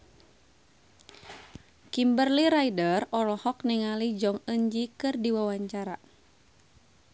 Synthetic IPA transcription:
kimbərliɾaidərɔlɔhɔk̚niŋalid͡ʒɔŋəɲd͡ʒikɨrdiwawaɲt͡ʃaɾa

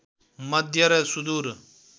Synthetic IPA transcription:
mɐd̪ʱjɐɾeːsud̪uːɾ

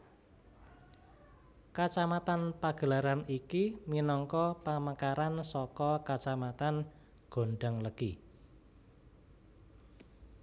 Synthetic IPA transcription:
kat͡ʃamat̪anpaɡ̥ə̤laɾanikiminɔŋkɔpamakaɾansɔkɔkat͡ʃamat̪an | ɡ̥o̤ɳɖəŋləɡ̥i

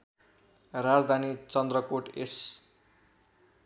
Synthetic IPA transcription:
rad͡zd̪ʱanit͡sʌnd̪ɾʌkoʈes

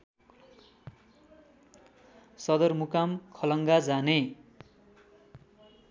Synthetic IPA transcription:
sʌd̪ʌrmukamkʰʌlʌŋɡad͡zane

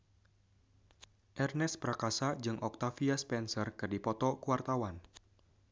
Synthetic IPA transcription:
ʔɛrnɛspəɾakasad͡ʒɨŋʔɔk̚t̪afiaspɛnsərkɨrdipɔt̪ɔkuwart̪awan

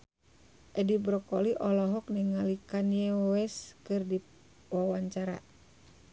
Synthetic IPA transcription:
ʔɛdibɾɔkɔliʔɔlɔɦɔk̚nɛŋalikanjɛwɛskɨrdi | wawaɲt͡ʃaɾa

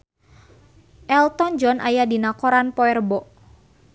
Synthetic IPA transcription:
ʔɛlt̪ɔnd͡ʒɔnʔajadinakɔɾanpɔɛrbɔʔ

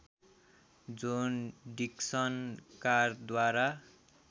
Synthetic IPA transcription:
d͡zunɖiksʌnkard̪waɾa

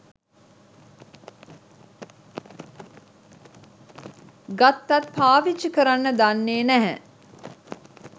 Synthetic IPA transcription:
ɡat̪ːat̪̚pʰaːʋit͡ʃːəkəɾanːəd̪anːeːnæɦɛ

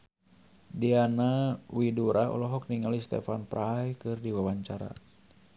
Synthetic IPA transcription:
dianauwiduɾaɔ̰lɔɦɔk̚niŋalist̪ɛ̰fanpɾʔajkɨrdiwawaɲt͡ʃaɾa̰

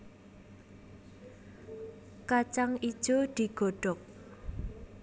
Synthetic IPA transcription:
kat͡ʃaŋid̥ʒ̥od̪̥iɡ̥o̤ɖ̥ɔk̚

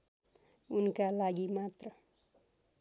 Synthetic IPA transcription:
unkalaɡimat̪rʌ

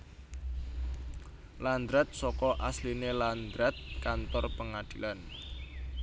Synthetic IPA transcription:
land̪ɾɛt̪̚sɔkɔʔaslineland̪ɾɛt̪̚kant̪ɔrpəŋad̪̥i̤lan

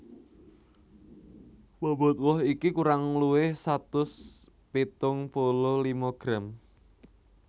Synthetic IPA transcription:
wabɔ̤t̪̚wɔɦikikuɾaŋluwɪhsat̪ʊs | pit̪ʊŋpolɔlimoɡ̥ɾam

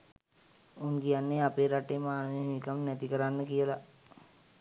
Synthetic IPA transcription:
unkijanːeapeːɾaʈeːmaːnəʋeɦiikamnɛt̪ikəɾanːəkijəla

